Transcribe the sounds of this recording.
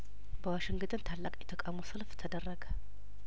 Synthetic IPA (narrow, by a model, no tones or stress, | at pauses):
bəwaʃɪŋɡɨd̪ɨnt̪ʰalːakʼjɛt̪ʰəkʼamusɨlft̪ʰəd̪ərːəɡə